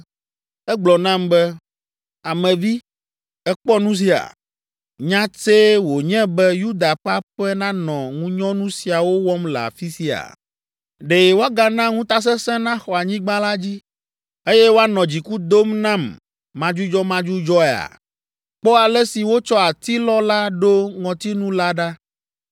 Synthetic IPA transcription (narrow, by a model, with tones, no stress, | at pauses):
ɛ˦ɡ͡blɔ˨nã˦mbɛ˦ | a˨mɛ̃˨vi˦ | ɛ˦k͡pɔ˦nũ˦s̬i˦a̰˨ | ɲã˦t͡se˦wo˨ɲɛ̃˦bɛ˦ju˦d̪a˨ɸa˦ɸɛ˦nã˦nɔ̃˨ŋũ˦ɲɔ̃˦nũ˦si˨a˨wo˦wɔ˦mla̰˨fi˦si˦a̰˨ | ɖe˨je˨wo˦a˦ɡa˨nã˦ŋũ˦t̪a˦s̬ɛ̃˦sɛ̃˦nã˦xɔ˨a˨ɲĩ˦ɡ͡bã˦la˦d͡ʑi˦ | e˦jɛ˦wo˦a˦nɔ̃˨d͡ʑi˨ku˦d̪o˦mnã˦mː | ã˦d͡ʒu˦d͡ʒɔ˦mã˦d͡ʒu˦d͡ʒɔ˦ɛ˨a̰˨ | k͡pɔ˦a˨lɛ˦si˨wo˦t͡ʃɔ˦a˨t̪i˦lɔ˦la˦ɖo˦ŋɔ̃˨t̪i˦nũ˦la˦ɖa˦